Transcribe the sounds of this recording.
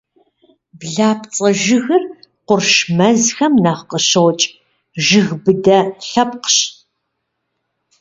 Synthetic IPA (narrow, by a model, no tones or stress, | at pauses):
bɮaːpt͡sʼɐʒɪɣɨrqʷʊrʃmɐzxɐmnaːχqəɕɐwt͡ʃʼ | ʒɪɣbɨdɐɬɐp̚qəɕ